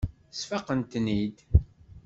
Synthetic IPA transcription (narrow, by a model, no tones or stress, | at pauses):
sfɑqənt̪nid̪